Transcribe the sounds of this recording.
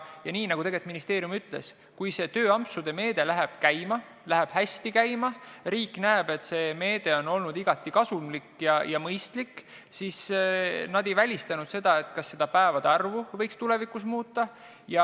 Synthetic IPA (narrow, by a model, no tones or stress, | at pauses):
jɑniːnɑɡut̪e̞ɡet̪minist̪e̞ːɾijumyt̪ːˑle̞̰s | kujse̞ːt̪ø̞ːɑmpsud̪̥e̞me̞ːd̪̥e̞læɦeb̥kæjmɑ | læɦeb̥hæst̪ikæjmɑriːkːˑnæeb̥e̞t̪se̞ːme̞ːd̪e̞o̞no̞lnud̪iɡ̥ɑt̪ːˑikɑsumlikjɑjɑmɤjst̪likː | sisnɑd̪̥e̞jvælʲist̪ɑnud̪̥se̞d̪ɑe̞t̪kɑsːe̞d̪̥ɑpæevɑd̪eɑrvuvɤjkst̪ule̞vikˑusmuːt̪ːˑɑ | jɑ